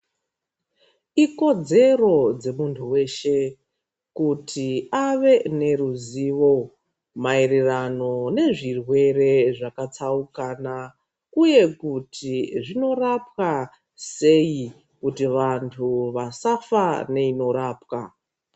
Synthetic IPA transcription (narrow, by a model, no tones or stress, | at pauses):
iko̞d͡ze̞ro̞d͡ze̞muntʰuwe̞ːʃe̞ | kutʰiaʋe̞ne̞ruziːʋo̞ | mairirano̞ne̞ʐirwe̞ɾe̞ʐakat͡saukana | uje̞kutʰiʐino̞rapwa | se̞i | kutiʋantʰuʋasafane̞ino̞ɾaːpka